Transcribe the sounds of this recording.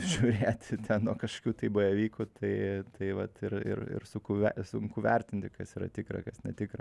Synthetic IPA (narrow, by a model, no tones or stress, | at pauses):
ʒʲuːɾʲeːt̪ʲt̪ʲʰɛnnuɔkɐʃo̥kʲuːt̪ɐɪbojɛʋʲiːkʊt̪ʰɐɪt̪ɐɪʋɐt̪ɪrɪ̰rɪ̰ɾsʊkʊʋʲɛsʊŋkuːʋʲɛrʲt̪ʲɪnʲt̪ʲɪkɐsiːɾɐ̰t̪ʲɪkɾɐ̰kɐsnʲɛt̪ʲɪkrɐ